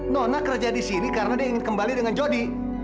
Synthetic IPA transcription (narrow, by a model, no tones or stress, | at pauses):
nɔhnahkəɾad͡ʒadisinikaɾənadiaiŋɪnkəmbalidəŋand͡ʒodi